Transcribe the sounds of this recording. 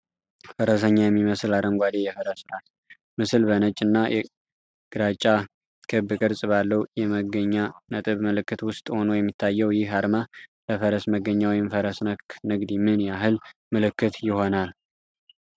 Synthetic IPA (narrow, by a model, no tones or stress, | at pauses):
fəɾəs̬əɲːajɛmːiməsɨlaɾəŋɡʷad̪ejɛfəɾəsɨɾat̪ | mɨsɨlbənət͡ʃʼːɨnːajɛ̰ | ɡ̥ɨɾat͡ʃʼːa | kʰɨbɨkʼɨɾsʼbalːəwjɛməɡəɲːanət̪ʼɨβməlɨkːɨt̪wʊst̪ʼho̞no̞jɛmːit̪ʰːajːɛwjɪhɦaɾmaləfəɾəsməɡːəɲːawjɛmfəɾəsnəknɨɡd̪imɨnjaɦɨlmɨlɨkːɨt̪jɪho̞nal